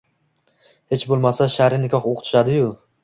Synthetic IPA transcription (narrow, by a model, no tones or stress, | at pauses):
he̞t͡ʃbolˠmasaʃaɾɪnɪkʲʰɒχoqʰʊ̥t̪ʰɪ̥ʃad̪ɪjʊ